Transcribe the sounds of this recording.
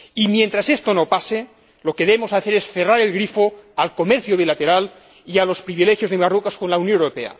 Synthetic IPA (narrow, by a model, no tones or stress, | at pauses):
imjent̪ɾasest̪onopase | lokeðemosaθeɾesferaɾelɣɾifoalkomeɾθjoβ̞ilat̪eɾal | ialo̞spɾiβilexjozðemarukaskonlauwnjonewɾopea̰